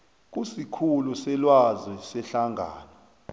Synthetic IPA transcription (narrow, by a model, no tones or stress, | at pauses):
k̬ʼusikʰulusɛlwazwɛsɛɬaŋʱa̰ːnɔ